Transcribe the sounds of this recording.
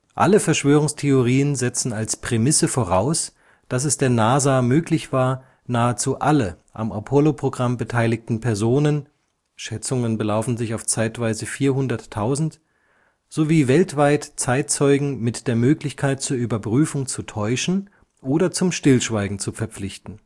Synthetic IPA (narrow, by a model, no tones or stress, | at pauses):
ʔa̰ləfɛɐʃv̥øːʁʊŋstʰeoʁiːənzɛt͡sn̩alspʁ̥emɪsəfoːʁaʊs | d̥as̬ɛsd̥eːɐnaːzaːmøːklɪçv̥aːɐ | naːət͡suːʔalə | ʔa̰mapʰolopʁ̥oɡʁambətʰaɪlɪktn̩pʰɛɐzoːnən | ʃɛt͡sʊŋənbəlaʊfn̩zɪçaʊft͡saɪtv̥aɪzəfiːɐɦʊndɐtʰːaʊzn̩t | z̥oviːvɛltv̥aɪtt͡saɪt̚t͡sɔʏɡŋ̩mɪtd̥eːɐmøːklɪçkʰaɪt̚t͡suːɐʔyːbɐpʁ̥yːfʊŋt͡sutʰɔʏʃn̩ | ʔoːdɐt͡sʊmʃtɪlʃv̥aɪɡŋ̩t͡sufɛɐp͡flɪçtn̩